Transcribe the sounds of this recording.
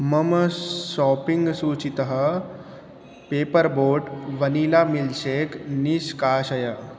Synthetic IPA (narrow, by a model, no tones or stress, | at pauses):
mɐməsɔːpiŋɡsuːt͡ʃit̪əɦə | peːpəɾboːʈʋɐnilamilseːkniskaːɕɐjə